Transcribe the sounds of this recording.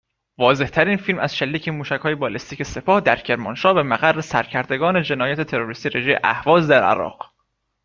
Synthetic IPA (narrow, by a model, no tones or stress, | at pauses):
vɒːze̞ht̪ʰæɾiːnfiːlmæz̥ʃelːiːcʰemuːʃæchɒːjebɒːlest̪iːcʰese̞pʰɒːhd̪æɾcʰe̞ɾmɒnʃɒːbemæɣærːesæɾcʰæɾd̪e̞ɡɒːne̞d͡ʒe̞nɒːjæt̪ʰet̪ʰe̞ɾo̞ɾist̪iːɾeʒejḛʔæ̰hvɒːzd̪æɾæ̰ɾɒ̰ːɢ